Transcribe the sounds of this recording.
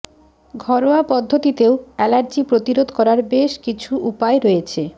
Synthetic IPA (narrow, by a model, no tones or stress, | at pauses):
ɡʱɔɾoapɔd̪ʱːot̪it̪eoɛlaɾd͡ʑipɾot̪iɾod̪ʱkɔɾaɾbeʃkit͡ɕʰuʔupaeɾojet͡ɕʰe